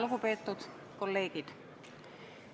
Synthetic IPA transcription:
lukupet̪ːut̪ | kolːeːkit̪

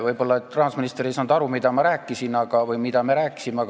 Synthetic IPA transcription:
vɤjbo̞lːɑett̪ːrɑhɑsminist̪eɾesɑnd̪̥ɑɾumid̪ɑmɑɾæːkˑːisinɑɡ̥ɑvɯjmid̪̥ɑmeɾæːkːˑi̥simeɑɡ

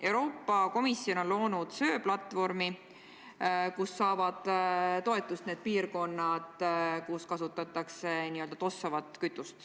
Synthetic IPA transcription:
ʔe̞wɾo̞ːpːˑɑko̞misːio̞no̞nlo̞ːnud̪̥sø̞ːplɑt̪ːˑvo̞rmi | kusːɑːvɑd̪̥t̪o̞e̞t̪ːˑust̪ne̞ːd̪̥̚piːrko̞nːɑd̪̥kuskɑsut̪ːˑɑt̪ːˑɑkse̞niø̞ld̪ɑt̪o̞sːɑvɑt̪ːˑkyt̪ːˑust̪

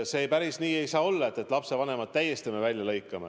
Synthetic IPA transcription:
seːjpæɾisniːe̞jsɑːo̞lːɑe̞t̪ːˑe̞t̪ːˑlɑpse̞vɑne̞mɑd̪̥̚t̪æjest̪ime̞vælʲjɑlɤ̞jkːˑɑmḛ

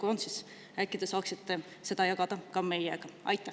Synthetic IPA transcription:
kont̪sis | ækːid̪̥ɑsɑːksit̪ːe | se̞d̪̥ɑjɑɡ̥ɑd̪̥ɑkɑme̞jɛɡ̥ɑʔɑ̰jt̪ːˑæ

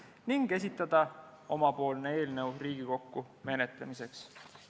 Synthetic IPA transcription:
niŋɡ̥e̞s̬ʲit̪ːˑɑd̪̥ɑ | o̞mɑpo̞ːlnee̞ːlnewriːɡ̥iko̞kːu | me̞net̪lemise̞ks

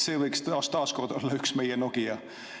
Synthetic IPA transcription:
seːvɤjkst̪ɑːst̪ɑːsko̞rd̪̥o̞lːɑyksme̞jɛnoɡ̥ijɑ

